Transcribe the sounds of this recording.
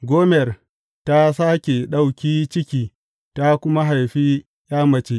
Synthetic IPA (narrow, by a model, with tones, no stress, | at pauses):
ɡʷoː˦mɛ˨r | ta˦saː˦kʲe˨ɗa˦˨wkʲiː˦t͡ʃɪ˦kʲiː˨ | ta˦kʷʊ˦ma˦ɦa˨jɸiː˦ | j̰aː˦mɐ˨t͡ʃe˦ʔ